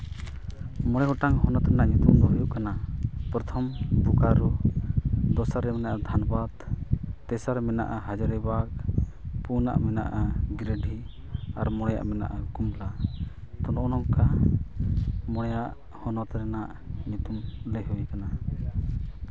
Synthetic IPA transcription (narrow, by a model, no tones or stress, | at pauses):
mɔɽ̃ɛɡɔʈaŋɦɔnɔt̪ɾɛnaʔɲut̪umd̪ɔɦujuʔkanapɾɔt̪ʰɔmbukaɾɔ | d̪ɔsaɾːɛmɛnaʔad̪ʱanɔbad̪t̪ɛsaɾmɛna̰ʔaɦad͡ʒaɾɛbak̚puna̰ʔmɛna̰ʔaɡɾeɖʱi | aɾmɔɽ̃ɛja̰ʔmɛna̰ʔakumla | t̪ɔnʔɔnɔŋka | mɔɽ̃ɛjaʔ | hɔnɔt̪ɾɛnaʔ | ɲut̪umlɛɦujkana